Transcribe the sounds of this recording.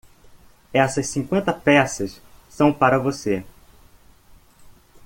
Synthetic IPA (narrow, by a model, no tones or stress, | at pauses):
ɛsɐʃsĩŋkwẽnt̪ɐpɛsɐs | sɐ̃w̃paɾɐvose